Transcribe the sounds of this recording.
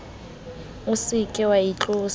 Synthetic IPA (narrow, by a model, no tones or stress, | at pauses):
ʊsikʼɪwait͡ɬʼʊːs